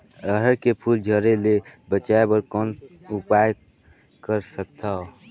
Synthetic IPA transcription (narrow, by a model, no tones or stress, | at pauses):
əɦəɾkepʰuld͡ʒʱəɾelebət͡ʃaebəɾkɔn | upaj | kəɾsəkt̪ʰao